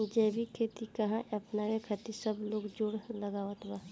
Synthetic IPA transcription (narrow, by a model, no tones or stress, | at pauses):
d͡ʒɛːbʱikʰeːt̪ikɐɦãʔɐpnaɾekʰɐt̪isəbloːɡd͡ʒoːɽləɡaːʋət̪baː